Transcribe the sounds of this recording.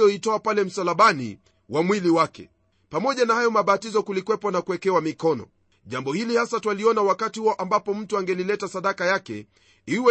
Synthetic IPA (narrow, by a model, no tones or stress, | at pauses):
jɔitɔapalɛm̩salaɓanḭ | wʔamwiliwakɛ̰ | pamɔʄanahajɔmaɓatizɔkulikwɛpɔnakuɛkɛwamikɔnɔ̰ | ʄambɔhilihasatwaliɔnawakatihuɔʔambapɔm̩tuaŋɡɛlilɛtasaɗakajakɛ̰ | iwɛ